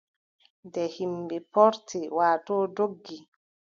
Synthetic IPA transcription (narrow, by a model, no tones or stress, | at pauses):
dɛhimbɛpɔɾtiwaːtɔːdoɡːi